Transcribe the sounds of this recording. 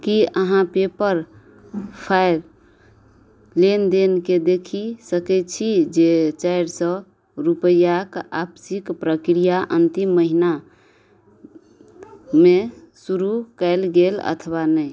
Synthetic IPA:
kiəɦãpepəɾ | pʰajɾ | lend̪enked̪ekʰisəkɛt͡ʃʰid͡ʒet͡ʃajɾsə̃ | ɾupəjakabsikpɾəkɾijaʔənt̪imːəɦina | me | suɾukəɪlɡelə̰t̪ʰəwanəj

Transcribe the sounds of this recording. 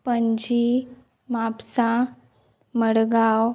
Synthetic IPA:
pəɲd͡ʑi | mapsã | məɽɡaw

